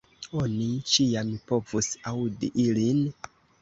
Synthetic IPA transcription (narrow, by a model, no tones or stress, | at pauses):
o̞nit͡ʃijampo̞vusawudiʔilin